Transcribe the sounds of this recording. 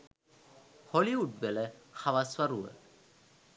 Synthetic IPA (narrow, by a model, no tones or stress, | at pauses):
hɔliuʈ̚bɛlɛxawaswaɾuə̰